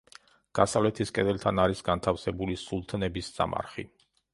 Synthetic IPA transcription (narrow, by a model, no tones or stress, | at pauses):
ɡ̥asavlɛt̪ʰiskʼɛd̪ɛlt̪ʰanaɾisɡant̪ʰafsɛbulisulˠt̪ʰnɛbisz̥a̰mʔa̰ɾχḭ